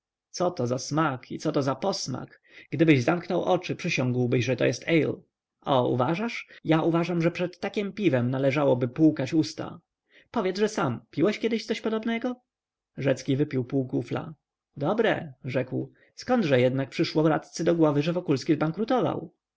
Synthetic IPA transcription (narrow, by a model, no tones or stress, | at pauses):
t̪sɔt̪ɔzasmakʰḭt̪sɔt̪ɔzapɔsma̰k | ɡd̪ɘbɘʑzamknɔwʔɔt͡ʂɘpʂɘɕɔ̃ŋɡwbɘɕʐɛt̪ɔ̰jɛst̪ʰɛjl | ɔṵvaʐaʂjaʔuvaʐamʐɛpʂɛt̪ːakʲimpʲivɛmnalɛʐawɔbɘpuwkat͡ɕust̪a̰ | pɔvʲjɛd̪zʐɛsampʲiwɛɕkʲjɛd̪ɘɕt̪sɔɕpɔd̪ɔbnɛɡɔ | ʐɛt̪skʲivɘpʲiwpuwkufla̰ | d̪ɔbɾɛ̰ʐɛkw | skɔnd̪ʐɛjɛd̪nak̚pʂɘʂwɔvɾa̰t̪t̪sɘd̪ɔɡwɔvɘʐɛvɔkulskʲizbaŋkɾut̪ɔva̰w